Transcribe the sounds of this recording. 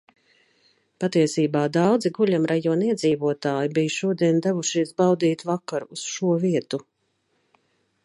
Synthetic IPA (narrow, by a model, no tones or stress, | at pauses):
pat̪iɛsiːbaːd̪awd̪ziɡuʎʲamɾajɔːniɛd̪ziːvuɔt̪aːjibijʃuɔd̪iɛnd̪ævuʃiɛsbawd̪iːt̪vakaɾusʃuɔviɛt̪u